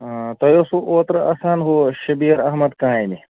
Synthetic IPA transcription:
t̪ɐjoːsuʔoːt̪ɾɐaːsaːnɦoːʃɐbiːɐɾɐɦmɐd̪kãːini

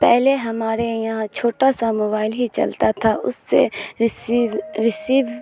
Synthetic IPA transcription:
pɛɦleɦɐmaːɾejɐɦãt͡ʃʰoːʈasamoːbaːɪlɦit͡ʃɐ̰lt̪at̪ʰaʔʊ̰sːḛsiʋɾɪsiːʋ

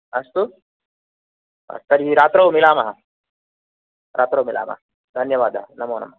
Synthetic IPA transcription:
ɐst̪u | ɐ̰st̪ɐɾiɦiɾaːt̪ɾɐːmilaːmɐɦɐ | ɾʔa̰ːt̪ɾoːwmila̰ːmɐ̰ɦɐ | d̪ʱɐnjɐʋaːd̪ʱɐ̰ɦnɐmoːnɐ̰mɐ

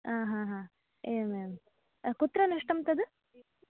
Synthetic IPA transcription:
aːɦãːɦãː | eːmeːm | kut̪ːɾɐnɐʂʈɐmt̪ɐd̪ɨ

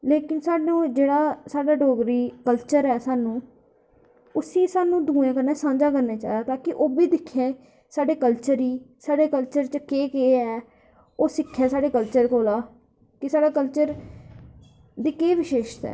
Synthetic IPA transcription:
leːkɪnsaːɖũːd͡ʒeːɽaːsaːɖaːɖoːɡɾiːkəlt͡ʃəɾɛːsaːnũː | ʊsĩːsaːnũːd̪ũːẽːkənɛːsãːɲd͡ʒaːkəɾneːt͡ʃa̰ːid̪aːt̪aːkɪʔoːbiːd̪ɪkʰːẽː | saːɖeːkəlt͡ʃəɾiːsaːɖeːkəlt͡ʃəɾt͡ʃəkeːkeːɛː | oːsɪkʰːjaːsaːɖeːkəlt͡ʃəɾkoːlaː | kɪsaːɖaːkəlt͡ʃəɾ | d̪iːkeːʋɪʃeːʃt̪ɛ̰ː

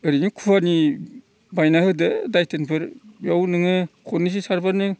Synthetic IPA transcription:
ɯɾinikʰuwaɾni | bajnaɦɯdɯdajtʰɯnpʰɯɾbjawnɯŋɯkʰɔnis̬isaɾbanɯ

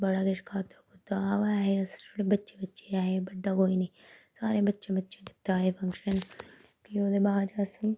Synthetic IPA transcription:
bəɽaːɡɪʃkʰaːt̪okʊt̪ːaʋaɦesɽebətːʃeːbətːʃeaːɦebəɖːaːkoːiːniː | saːɾeːbətːʃẽbətːʃeːd̪ɪ̥t̪ːaːɦeːpʰɐ̃ŋkʃən | kioːd̪ebaːd͡ʒaːsiː

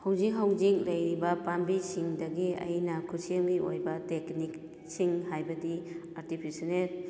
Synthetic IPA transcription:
hawzik̚ɦawzik̚lɐjɾibɐpambisiŋdɐɡiɐ̰jnɐkʰuseŋliʔo̰jbɐteknik | siŋɦajbɐdiaɾtipʰisenet̚

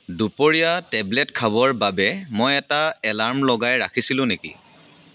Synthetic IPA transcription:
dupoɹijatɛblɛtkʰabɔɹbabɛmojɛtaɛlaɹmlɔɡajɹakʰisilʊ̃nekḭ

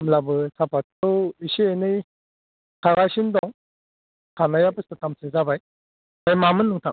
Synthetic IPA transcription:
mlabɯsʰapatɯwisienɯj | kʰaɡasindɔŋ | kʰanajapɯstɯtamsezabaj | ajmamɯnːuŋtʰa

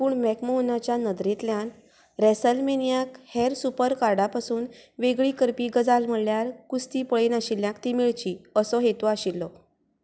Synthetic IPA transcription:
puːɳmɛkmoɦunat͡ɕjanəd̪ɾet̪ljãn | ɾɛsəlmenijakhɛɾsupəɾkaɾɖapasuːnʋeɡɭiːkəɾpiːɡəd͡zalm̤əɽljaɾkust̪iːpəɭiːnaɕiljãkt̪imiɭt͡ɕiːəsɔɦet̪uaɕilːɔ

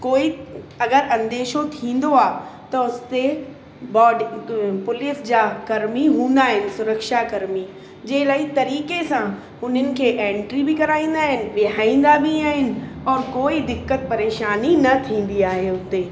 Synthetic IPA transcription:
koːiɐɡəɾɐ̃nd̪eːʃot̪ʰĩːn̆d̪oaːt̪ɐʊst̪e | bɔːɖpʊlɪsd͡ʑakɐɾmiɦũːn̆d̪aːɦɪnɪ̆sʊɾəkʃakɐɾmi | d͡ʑeːlaːit̪ɐɾiːkesã | ʊnɦənɪ̆kʰeʔẽːɳʈɾibʱikɐɾaːĩːn̆d̪aːɦɪnɪ̆ʋɪaːĩːnd̪abʱiaːɦɪnɪ̆ɔːɾkoːid̪ɪkːət̪̚pɐɾeːʃaːninɐt̪ʰĩːn̆d̪iaːɦeʊt̪eː

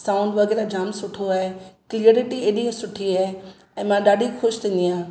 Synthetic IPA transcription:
sãːʊ̃ɳɖʋɐɣɛːɾad͡ʑaːmsʊʈʰoaːɦeklieːɾɪʈieːɗĩsʊʈʰiaːɦe | ɛ̃ːmãɗaːɗʱixʊʃt̪ʰĩːnd̪iɦãː

